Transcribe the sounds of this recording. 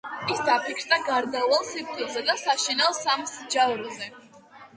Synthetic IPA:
isd̪apʰikʰɾd̪aɡaɾd̪avalˠsip̚ʰt̪ʼɔzɛd̪asaʃɛnalˠsamsd͡ʒavɾɔzɛ

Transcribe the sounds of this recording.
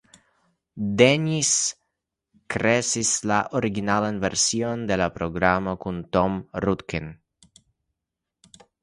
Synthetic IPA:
d̪eɲis | kɾesislaʔoɾiɡinalanveɾsjond̪elapɾoɡɾamakunt̪omrut̪ken

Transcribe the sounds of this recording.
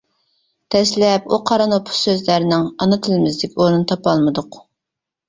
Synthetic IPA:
t̪ʰɛslɛpuqʰɑɾɑnopʰʊ̥ssøzlæɾnɪŋɑnɨt̪ʰɪlɪmɪzd̪ɪkʲoɾnɨnɨt̪ʰɑpɑlˠmɨd̪ʊq

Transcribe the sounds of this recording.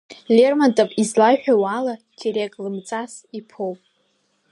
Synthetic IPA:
lʲermantʼopʼizlaʃᶣawala | tʰeɾekʼlɨmt͡sʼas | ipʰowpʼ

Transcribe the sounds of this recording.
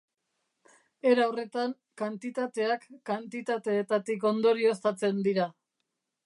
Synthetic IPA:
e̞ɾawre̞t̪aŋ | kant̪it̪at̪e̞akːant̪it̪at̪e̞ːt̪at̪ik̬o̞nd̪o̞ɾio̞st̪at͡se̞nd̪iɾa

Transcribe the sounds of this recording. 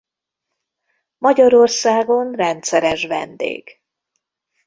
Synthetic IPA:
mɒɟɒɾo̞rsaːɡo̞nrɛnt̪sɛɾɛʃʋɛ̰nd̪ḛːɡ̥

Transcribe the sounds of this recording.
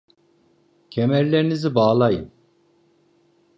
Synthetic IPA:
cʰemæɾlʲeɾinizibaːlˠajɯ̰n

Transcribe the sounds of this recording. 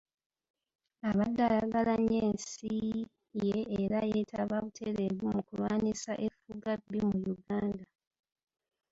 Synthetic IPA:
aβadːalaɡalaɲeːnsi | jeːɾajetʰaβaβutʰeɾeβwomukulwaːnisaʔefuɡabːimujuɡaːnda

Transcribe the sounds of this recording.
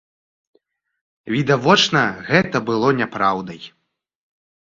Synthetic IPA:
vʲid̪avɔt͡ʂnɐɣɛt̪ɐbɨlˠɔnʲapɾawd̪ɐj

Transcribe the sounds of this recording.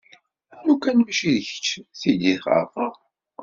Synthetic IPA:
ænukːænmæʃiðçə̥t͡ʃːθid̪iθχə̰fə

